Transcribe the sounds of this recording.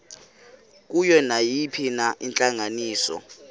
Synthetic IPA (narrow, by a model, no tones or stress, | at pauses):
k̬ʼujɔnajipʰinaʔint͡ɬʼaŋaniːsɔ̰